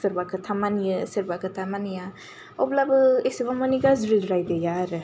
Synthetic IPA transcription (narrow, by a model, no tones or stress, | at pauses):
sɐɾbakʰɯtʰamanijɯsɐɾbakʰɯtʰamanija | ɔblabɯesibamɔniɡazɾilɾajdejaɾɯ